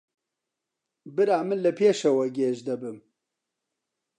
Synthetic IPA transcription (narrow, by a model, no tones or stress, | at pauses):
bɨɾaːmɨlɨpʰeːʃɐwɛɡeːʒd̪ɐbɨm